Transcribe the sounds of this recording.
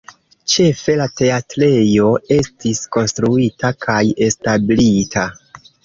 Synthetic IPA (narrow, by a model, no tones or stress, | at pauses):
t͡ʃe̞fe̞late̞atɾe̞jo̞e̞stisko̞nstɾuitʰakʰaje̞stablitʰa